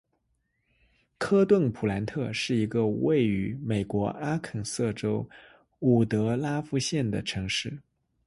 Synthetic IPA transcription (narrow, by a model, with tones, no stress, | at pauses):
kʰɤ˥t̪wə˥˩npʰu˨˩la˧˥nt̪ʰɤ˥˧ʂɻ̩˥˩i˧˥ɡə˧we˥˩ɪy˧˥me˨˩ɪkwɔ˧˥ʔa˥kʰə˨˩nsɤ˥˩ʈ͡ʂo˥ʊ | u˨˩t̪ɤ˧˥la˥fu˥˧ɕjɛ˥˩nd̪ə˩ʈ͡ʂʰɤ˧˥ŋʂɻ̩˥˩